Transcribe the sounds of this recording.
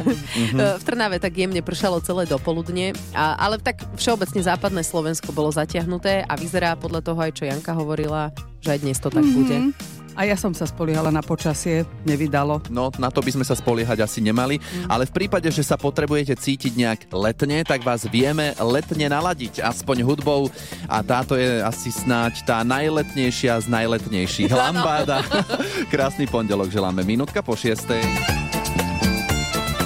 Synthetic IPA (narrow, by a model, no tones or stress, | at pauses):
ft̪r̩naʋɛt̪aɡjɛmɲɛpr̩ʃalɔt͡sɛlɛjd̪ɔpɔlud̪ɲɪɛʔa̰lɛt̪akfʃɛɔbɛt͡sɲɛzaːpad̪nɛːslɔʋɛnskɔbɔlɔzacɪaɦnut̪ɛːʔaʋizɛɾaːpɔd̪lʎat̪ɔɦɔajt͡ʃɔjaŋkaɦɔʋɔɾila | ʒɛajd̪ɲɛst̪ɔt̪aɡ̚buɟɛ | ajasɔmsaspɔlɪɛɦalanapɔt͡ʃasɪɛɲɛʋid̪alɔnɔnat̪ɔbizmɛsaspɔlɪɛɦaɟasiɲɛmaliʔa̰lɛfpɾiːpaɟɛʒɛsapɔt̪ɾɛbujɛcɛt͡siːciɟɲɛaɡlɛt̪ɲɛt̪aɡʋaːzʋɪɛmɛlɛt̪ɲɛnalaɟica̰spɔɲɦud̪bɔʊ | ʔa̰t̪aːt̪ɔjɛasisnact̪aːnajlɛt̪ɲɛjʃɪaznajlɛt̪ɲɛjʃiɣlambaːd̪akɾaːsnipɔɲɟɛlɔɡʒɛla̰ːmɛminuːt̪kapɔʃɪɛst̪ɛj